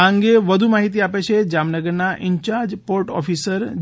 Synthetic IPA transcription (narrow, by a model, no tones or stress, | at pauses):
əŋɡeʋəd̪ʱumaɦit̪iapet͡ʃʰed͡ʒamnəɡəɾnaʔɪɲt͡ʃaɾd͡ʒpoɾʈɔ̰fisəɾ